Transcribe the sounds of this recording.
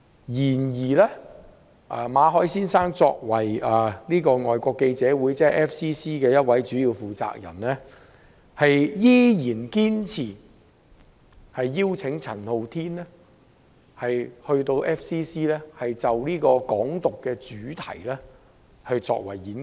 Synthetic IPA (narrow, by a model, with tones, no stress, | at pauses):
jiː˨˩njiː˨˩lɛː˥ | ʔaː˨˩maː˨˧ɦɔː˨˥jsiː˥nsaː˥ŋt͡sɔː˧k̚wɐ˨˩jɐː˨˩niː˥kɔː˧ŋɔː˨jkʷɔː˧kːe˧jt͡sɛː˨˥wu˨˥jt͡sɛː˥˨ʔɛː˥fsiː˥siː˥kɛː˧jɐ˥t̚wɐ˨˥jt͡ʃyː˨˥jiː˧wfuː˨t͡sa̰ː˧k̚jɐ̰˨˩nlɛ˥ | hɐ˨jjiː˥jiː˨˩nkiː˥nt͡sʰiː˨˩ | hɐ˨jːiː˥wt͡sʰɪ˨˥ŋt͡sʰɐ˨˩nho˨˧wt̪ʰiː˥nlɛ˥ | hɐ˨jhɵ˧ɥt̪o˧wʔɛː˥fsiː˥siː˥lɛː˥hɐ˨jt͡sɐ˨wliː˥kɔː˧kɔː˨˥ŋt̪ʊ˨kːɛː˧t͡ʃyː˨˥t̪ʰɐ̰˨˩jlɛː˥ | hɵ˨˧jt͡sɔ̰ː˧k̚wɐ̰˨˩jiː˨˥n